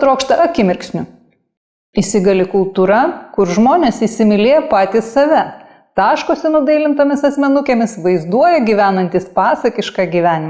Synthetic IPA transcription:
t̪ɾoːkʃt̪ɐʔɐkʲɪmʲɪɾʲksʲnʲʊ | ɪsʲɪɡɐlʲɪkʊlˠt̪uɾɐkʊɾʒmoːnʲeːsisʲɪmʲɪlʲeːjɛpɑːt̪ʲiːssɐʋʲɛ | t̪ɑːʃkoːsʲɛnʊd̪ɐɪlʲɪnt̪oːmʲɪsɐsʲmʲɛnʊkʲeːmʲɪsʋɐɪzd̪uɔjɛɡʲiʋʲæːnɐnʲt̪ʲispɑːsɐkʲɪʃkɑɡʲiːʋʲæːnʲɪmɐ

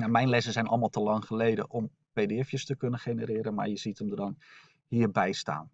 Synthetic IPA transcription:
jamɛjnlɛsəzɛjnʔɔ̰lˠmalˠtəlɑŋχəlejdə̰ʔɔm | pejdeɛfjəstəkɵnəχenəɾɪːɾənma̰ɹjəzitəmdədɔn | hiːərbɛjsta̰ːn

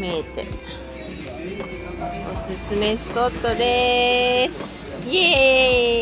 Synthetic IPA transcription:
met̪ḛ | osɨsɨmesi̥kot̪ːod̪e | s | je

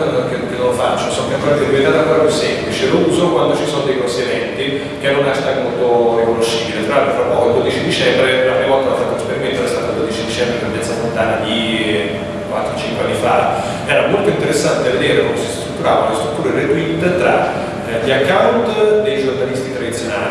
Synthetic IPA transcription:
kekenːõlfa̰t͡ʃːosonkaŋkɔneked̪ivent̪aɾaŋkːɔɾapjusːɛmplit͡ʃelouːzokwand̪ot͡ʃisonod̪ejkonseɡɛnt̪i | kenːonaʃt̪amolt̪orikonoʃːibilet̪ɾaɾfɾapːɔːkoild̪od̪it͡ʃid̪it͡ʃɛmbɾeanːivɔlt̪alafat̪ːunespeɾiment̪ɛɾast̪at̪ald̪od̪it͡ʃid̪it͡ʃɛmbɾenabjat̪sːamont̪aːlad̪i | kwat̪ːɾot͡ʃiŋkwea̰nːifa | ɛːɾamolt̪oint̪eɾesːant̪eved̪eːɾekomsst̪ɾut̪ːuɾaːvalːest̪ɾut̪ːuːɾered̪uit̪t̪ɾa | ʎakːawnt̪d̪ejd͡ʒornalist̪it̪ɾad̪it̪sːjona̰ːli

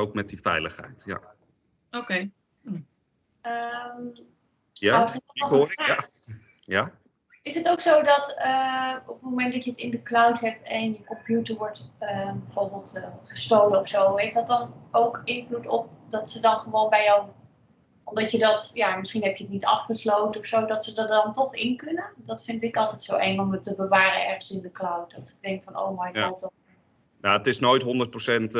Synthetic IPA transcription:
owk̚mɛt̚difɛ̰jləχɦɛ̰jtja̰ | okej | əm | jatχəaa | ja | ɪsɦətowksowdɑtəɔpətmowmɛntdɑcəətɪndəklawtɦɛp̚tɛnjəkɔmpjutəɹʋɔɹtəbəv̥ʊːɹbɪːlˠtːχəstowlənɔfsowɦejfdɑtdɑnowkɪnvlutɔp̚dɑtsədɑnχəʋoːnbɛjəw | ɔmdɑtədɑtjamɪsχinɦɛpjəətnitɑ̰fχəslowtənɔfsowdɑtsədɑdɑntɔχɪnkɵnəndɑtfɪndɪkɑlˠtɛjtsowʔɛŋɔmətəbəʋaːrənɛɹχənsɪndəklawt̚dɑtɪ̥ɡ̚dɛŋkfɔno̰wmajɡɔlˠtɔ | jaətɪsnojtɦɔndət̚prosɛnt

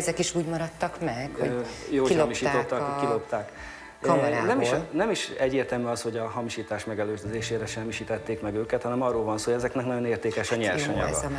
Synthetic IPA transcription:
ɛzɛkiʃuːɟmɒɾɒt̪ːɒkmɛkho̰joːoilhomiʃiːot̪ːɒkkilopt̪aːkː | nɛmiʃnɛmiʃɛɟːeːrt̪ɛlmyɒsho̞ɟɒɦɒmiʃiːt̪aːʃmɛɡɛløːzd̪øzeːʃeːɾɛʃɛmːiʃiːt̪ɛt̪ːeːkmɛɡøːkɛt̪hɒnɛmɒrːoːlvɒnsoːoɛzɛknɛknɒɟo̞neːrt̪eːkɛʃɒɲɛlʃɒɲɒ̰ɡɒ̰

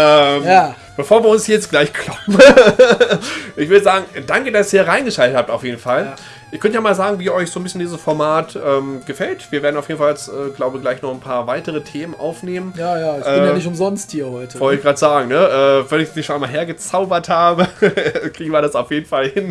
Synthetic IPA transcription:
ʔɛmja | b̥əfoːɐviːɐʊnshiɐjɛt͡stɡ̥laɪçkʰl̥ɔpmə | ʔɪçv̥ʏɐɾəzaːɡŋ̩daŋkədasʔiːɐʁaɪnɡəʃaltəthaːp̚taʊfjeːdn̩fal | ʔɪːɐkœntjaːmaːlzaːɡŋ̩viːɐʔɔʏçz̥oːnbɪsçəndiːzəsfɔɐmaːtʔɛːmɡ̥əfɛltv̥iːɐveːɐdnaʊfjeːn̩falsʔɛːɡlaʊbəɡlaɪçnɔχnpʰaːɐvaɪtəʁətʰeːmənʔa̰ʊfneːmənjaːjaːʔsɛɪːnjanɪçtʊmzɔnsthiːɐhɔʏtʰəvɔltɪçɡ̥ʁaːtəz̥aːɡŋ̩nəʔɛːvɛnɪçmiːʃoːnʔaɪmaːlɦeːɐɡət͡saʊbɐthaːbəkʁ̥iːɡŋ̩viɐɾasaʊfjeːdn̩falhɪn

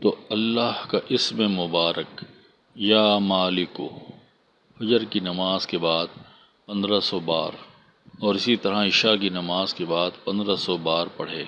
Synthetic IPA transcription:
t̪oːɐlːaːhkaʔɪsmemʊbaːɾʔək | jaːmaːlɪkoː | fɐd͡ʒəɾkinɐmaːzkebaːd̪ | pɐ̃nd̪ɾasɔbaːɾ | ɔːɾɪsit̪ɐɾaɪʃakinɐmaːzkebaːd̪pɐ̃nd̪ɾasɔbaːɾpɐɽ̤eː

